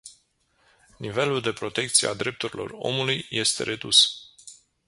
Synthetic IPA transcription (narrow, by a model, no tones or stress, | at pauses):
nive̞luld̪e̞pɾo̞t̪e̞k̚t̪sijḛa̰d̪ɾe̞p̚t̪uɾilo̞̰ro̞̰mulujje̞st̪e̞̰ɾe̞d̪us